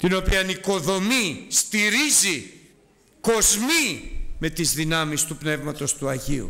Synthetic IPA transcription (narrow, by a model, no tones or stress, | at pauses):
t̪ino̞piɐniko̞ðo̞mist̪iɾizi | ko̞zmime̞t̪izðinɐmist̪upne̞vmɐt̪o̞st̪uɐʝiṵ